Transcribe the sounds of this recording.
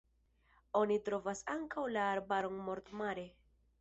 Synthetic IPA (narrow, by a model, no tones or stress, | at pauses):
o̞nitɾo̞vasaŋkawlaːɾbaɾonmo̞ɾt̪maɾe̞